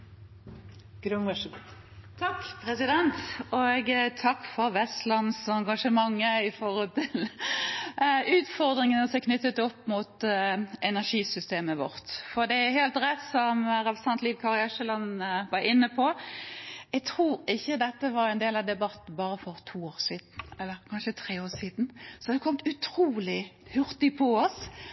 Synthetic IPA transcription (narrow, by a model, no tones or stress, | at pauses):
ɡ̥ɾʉn | t̪ʰɑkːpʰɾɛsɪd̪ɛnt̪ɔɡt̪ʰɑkːfɔɾʋɛst̪lɑnsɑŋɡɑʂəmɑŋːəɪfɔʁɔːlt̪ʰɪl | ʉːt̪fɔʁd̪ɾɪŋənɔsɛɪkʰnʏt̪ːət̪ɔpːmut̪ɛnæʁʂiːsʏst̪eːməʋɔ̰ʁt̪fɔʁd̪ɛæheːlt̪ɾɛt̪ːsɔmɾɛpɾəsɑnt̪liːʋkʰɑʁɪɑʃəlɑnʋɑɾɪnːəpʰɔ | ɛɡt̪ʰɾuːɾɪçːəd̪ɛt̪ːəʋɑɾɛɪnd̪eːlɑd̪ɛbɑt̪n̩bɑːɾəfɔɾt̪ʰuːoːʁsiːd̪n̩ɛlːəɾkʰɑnʃət̪ʰʁeːoːʁsiːd̪n̩sɔd̪ɛkʰɔmt̪ʉt̪ʰɾuːlɪhʉɾt̪ɪpʰɔɔs